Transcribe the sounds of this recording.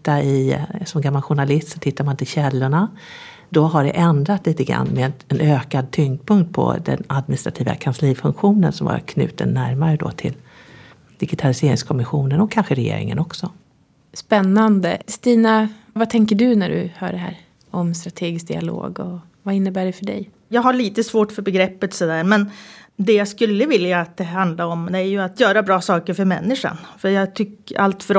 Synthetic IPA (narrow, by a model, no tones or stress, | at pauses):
t̪ːaɪsɔmɡamːalɧʊɳalɪst̪sɔt̪ʰɪt̪ʰːaɾmant̪ʰɪlɕɛlːʊɳa | d̪ɔɦaɖɛ̰ʔɛnd̪ɾat̪liːt̪əɡɾa̰nːmɛɛnøːkad̪̚t̪ʰʏŋd̪̚pʰɵŋkt̪̚pʰɔ̰d̪ɛ̰nad̪mɪnɪst̪ɾat̪ʰiːva̰kʰansliːfɵŋkɧuːnə̰nsɔmva̰ɾkʰnʉ̟̰ːt̪ə̰nːæɾmaɾəd̪ɔ̰t̪ʰɪl | d̪̥ɪɡɪt̪ʰalɪseːɾɪŋskʰɔmɪɧuːnənɔkʰːanɧəɾɛjḛːɾɪ̰ŋə̰nɔksɔ | spɛnːand̪əst̪iːna | vat̪ʰɛŋkəɖɵnæɖɵ̰hœ̰ːɖɛɦæ̰ːɾ | ɔmst̪ɾat̪ʰeːɡɪsk̚d̪ɪa̰lo̰ːɡɔ̰ | vaɪnːəbæːɖɛfœɖɛ̰j | jɑːɡɦaɭiːt̪əsvoːʈfœɾbɛɡɾɛpːət̪sɔd̪æːɾmɛnd̪ɛjaskɵlːəvɪljaːt̪̚d̪ɛɦand̪laɾɔmd̪ɛæɾjɵat̪jœːɾabɾɑːsɑːkəɾfœɾmɛnːɪʂa̰nfœɾjɑːɡt̪ʰʏkːa̰lt̪fœɾ